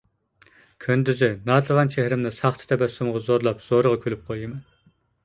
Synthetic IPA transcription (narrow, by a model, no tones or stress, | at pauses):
kʲʰønd̪yzɪnɑːt̪ʰɨʁɑnt͡ʃʰehɾɪmnɨsɑχt̪ʰɨ̥t̪ʰɛbɛsːumʁɑzoɾlˠɑpz̥oɾəʁɑkʲʰølyp̚qʰojɨmɛn